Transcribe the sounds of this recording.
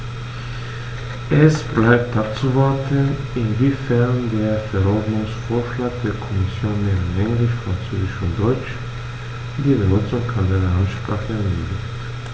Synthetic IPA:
ʔɛsb̥laɪp̚tap̚t͡suvaɐtʰən | ɪnviːfɛɐndeːɐfɛɐɔɐdnʊŋsfoːɐʃlaːɡ̚d̥eːɐkʰɔmɪsjoːnmeɪnɛŋlɪʃfʁ̥ant͡søːzɪʃʊnt̚d̥ɔʏt͡ʃ | d̥iːbənʊt͡sʊŋkʰandəlɐʔantʃpʁ̥aːχəɛɐmøːɡlɪçt

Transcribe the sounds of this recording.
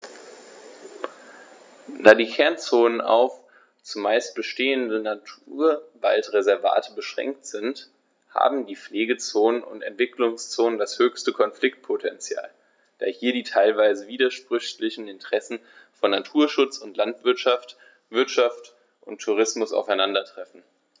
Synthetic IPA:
d̥aːdiːkʰɛɐnt͡soːnəna̰ʊf | t͡sʊmːaɪst̚b̥əʃteːəndənatʰuɐva̰ltʁezɛɐva̰ːtʰəbəʃʁ̥ɛ̰ŋk̚tz̥ɪnt | ha̰ːbm̩diːfleːɡət͡soːnənʊ̰ntɛ̰ntv̥ɪklʊŋst͡soːnəndashøːçstəkʰɔnflɪk̚t̚pʰotʰɛnt͡sja̰ːl | d̥a̰ːhiːɐdiːtʰaɪlvaɪzəviːdɐʃpʁ̥ʏçlɪçn̩ɪntəʁ̥ɛsn̩ | fɔnːatʰuːɐʃʊt͡sʊntlantv̥ɪɐtʃaft | v̥ɪɐtʃaft | ʔʊntʰːuʁ̞ɪsmʊsa̰ʊfaɪnandɐtʁ̥ɛfn̩

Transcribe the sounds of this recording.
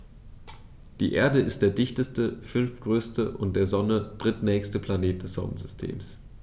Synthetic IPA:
d̥ḭːʔeːɐdəɪst̚d̥eːɐdɪçtəstəfʏnftɡ̥ʁøːstəʔʊ̰nt̚d̥eːɐzɔnəd̥ʁɪtnɛːçstəpʰl̥aneːt̚d̥ɛsz̥ɔ̰nə̰nzʏstʰḛːms

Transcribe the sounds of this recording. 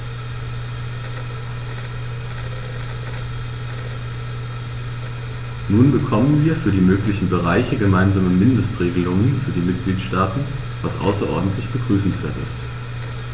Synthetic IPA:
nuːnbəkʰɔmənviːɐfyːɐdiːmøːklɪçn̩bəʁaɪçəɡəmaɪnzaːməmɪndəstʁ̥eːɡəlʊŋənfyːɐdiːmɪt̚ɡ̥liːtʃtaːtn̩ | vasʔa̰ʊsɐʔɔ̰ɐdn̩tʰlɪçb̥əɡʁyːsn̩sv̥eːɐtɪ̰st

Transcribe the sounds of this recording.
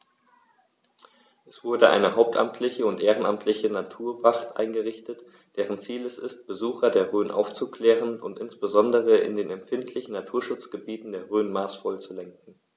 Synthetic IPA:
ʔɛsv̥ʊɐdəʔa̰ɪnəɦaʊp̚tʰʔa̰mtʰlɪçəʊntʔeːʁənamtʰlɪçənatʰuːɐvaχtʔa̰ɪnɡəʁɪçtət | d̥ɛːʁənt͡siːlɛsɪst̚b̥əzuːxɐdeːɐʁøːnʔa̰ʊft͡sukʰl̥ɛːʁənʊ̰ntʔɪnsb̥əzɔndəʁəɪ̰ndeːnɛmfɪntʰlɪçn̩natʰuːɐʃʊt͡sɡ̥əbiːtn̩deːɐʁøːnmaːsfɔlt͡sulɛŋkŋ̩

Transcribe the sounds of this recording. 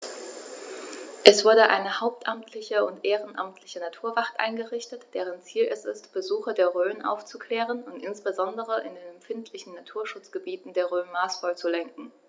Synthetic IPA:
ʔɛsv̥ʊɐdəʔa̰ɪnəhaʊp̚tʔamtʰlɪçəʊntʔeːʁ̞ənʔa̰mtʰlɪçənatʰuːɐvaχtʔa̰ɪnɡəʁɪçtətd̥eːʁ̞ənt͡siːlɛsɪstb̥əzuːxɐdeːɐʁøːənʔa̰ʊft͡sukʰl̥ɛːʁənʊntʔɪnsb̥əzɔndəʁ̞əʔɪ̰ndeːnɛmpfɪntʰlɪçn̩natʰuːɐʃʊt͡sɡ̥əbiːtn̩deːɐʁøːnmaːsfɔlt͡sulɛŋk̚ŋ̩

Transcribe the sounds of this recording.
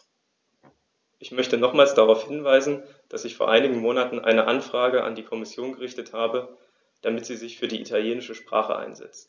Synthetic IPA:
ʔɪçmœçtənɔχmaːlsd̥aʁaʊfhɪnvaɪzn̩ | d̥asɪçfoːɐʔaɪnɪɡŋ̩moːnatn̩ʔa̰ɪnəʔanfʁ̥aːɡəʔa̰ndiːkʰɔmɪsjoːnɡəʁ̞ɪçtəthaːbə | d̥amɪtz̥iːzɪçfyːɐdiːʔitʰaljeːnɪʃəʃpʁ̥a̰ːχə̰ʔa̰ɪnzɛ̰t͡st

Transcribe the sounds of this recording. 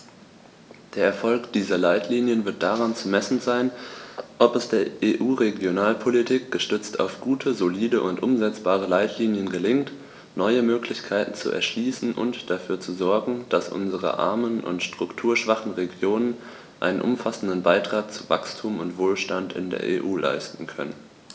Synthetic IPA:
d̥eːɐɛɐfɔlkd̥iːzɐlaɪtʰliːnjənvɪɐt̚d̥aʁ̞ant͡sumɛsn̩zaɪnʔɔpɛsd̥eːɐʔeːʔuːʁeɡjonaːlpʰolitʰiːk̚ɡ̥əʃtʏt͡sta̰ʊfɡ̥uːtʰəzoliːdəʔʊntʔʊmzɛt͡sb̥aːʁ̞əlaɪtʰliːnjənɡəlɪŋt | nɔʏəmøːklɪçkʰaɪtn̩t͡sṵʔɛ̰ɐʃliːsn̩ʔʊ̰ntd̥afyːɐt͡suzɔɐɡŋ̩d̥asʔʊ̰nzəʁə̰ʔa̰ɐmənʔʊ̰ntʃtʁ̥ʊktʰuːɐʃv̥aχn̩ʁeɡjoːnən | ʔa̰ɪnənʔʊ̰mfasn̩dənbaɪtʁ̥aːk̚t͡suva̰kstʰuːmʊntv̥oːlʃtantɪ̰ndḛːɐʔḛːʔuːlʔa̰ɪstn̩kʰœ̰nən

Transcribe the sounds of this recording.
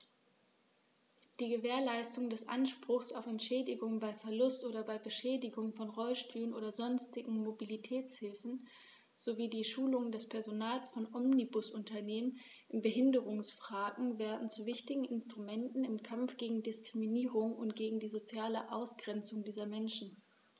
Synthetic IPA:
d̥iːɡəveːɐlaɪstʊŋdɛsʔa̰nʃpʁ̥ʊxsaʊfɛntʃɛːdɪɡʊŋbaɪfɛɐlʊstʔoːdɐbaɪbəʃɛːdɪɡʊŋfɔnʁɔlʃtʰyːʁənʔoːdɐzɔnstɪɡŋ̩mobilitʰɛːt͡shɪlfn̩ | z̥oviːdiːʃuːlʊŋəndɛspʰɛɐzonaːlsfɔnʔɔmnibʊsʔʊntɐneːmən | ʔɪnbəɦɪndəʁʊŋsfʁ̥aːɡŋ̩vɛːɐdn̩t͡suvɪçtɪɡŋ̩ɪnstʁ̥umɛntn̩ɪmkʰamfɡ̥eːɡŋ̩dɪskʁ̥iminiːʁʊŋʊ̰ntɡ̥eːɡŋ̩diːzot͡sjaːləʔaʊsɡ̥ʁɛnt͡sʊŋdiːzɐmɛnʃn̩

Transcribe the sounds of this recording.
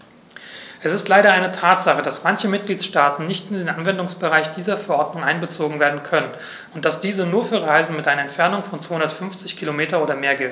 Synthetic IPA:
ʔɛsɪstlaɪɾɐaɪnətʰaːtz̥aχəd̥asmançəmɪt̚ɡ̥liːtʃtaːtn̩nɪçtɪndeːnʔanvɛndʊŋsb̥əʁaɪçd̥iːzɐfɛɐʔɔɐdnʊŋʔaɪnbət͡soːɡŋ̩veːɐdn̩kʰœnən | ʊnt̚d̥asd̥iːzənuːɐfyːɐʁaɪzn̩mɪtʔaɪnɐɛntfɛɐnʊŋfɔnt͡sv̥ahʊndɐtfʏnft͡sɪçkʰilomeːtɐnʔoːdɐmeːɐɡɛlt

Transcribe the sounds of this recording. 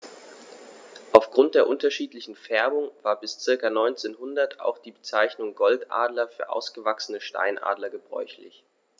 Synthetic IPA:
ʔaʊfɡ̥ʁʊnt̚d̥eːɐʔʊntɐʃiːtlɪçn̩fɛɐbʊŋvaːɐbɪst͡sɪɐkanɔʏnt͡seːnɦʊndɐtʰa̰ʊxd̥iːbət͡saɪçnʊŋɡɔltʔa̰ːdlɐfyːɐʔa̰ʊsɡ̥əvaksənəʃta̰ɪnʔa̰ːdlɐɡəbʁɔ̰ʏçlɪ̰ç

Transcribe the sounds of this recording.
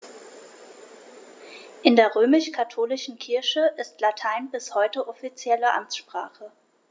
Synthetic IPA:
ʔɪndeːɐʁ̞øːmɪʃkʰatʰoːlɪʃn̩kʰɪɐʃəʔɪstlatʰaɪnbɪshɔʏtəʔɔfit͡sjɛləʔa̰mt͡sʃpʁ̥aːχə

